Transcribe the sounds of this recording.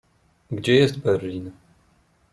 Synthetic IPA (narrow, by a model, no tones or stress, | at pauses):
ɡd͡ʒejɛst̚bɐrːiːnɨ